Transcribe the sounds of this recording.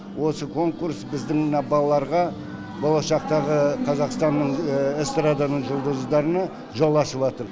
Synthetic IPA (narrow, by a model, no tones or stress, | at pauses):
wo̞səkʰo̞ŋkuɾsbɪzd̪ɪŋmənɑbɑlˠɑlˠɑɾʁɑ | bo̞lˠɑʃɑqt̪ɑʁəqʰɑzɑqst̪ɑnːəɴest̪rad̪anəɴʒʊlˠd̪əzd̪ɑɾənɑ | ʒolˠɑsəpɑt̪əɾ